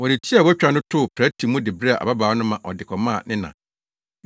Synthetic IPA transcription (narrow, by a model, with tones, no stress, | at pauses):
wɔ˨nɪ˨tʰi˦a˨wɔ˦t͡ɕᶣɾa˨˦nʊ̃˦tʰʊ˦˨pʰɾæ˦tʰi˨mʊ̃˦dɪ˨bɾe˦a˨ʔa̰˨ba˦baː˨˦nʊ̃˦mã˨ʔɔ˨dɪ˨kʰɔ˨mã˦˨nɪ̃˦nã̰˨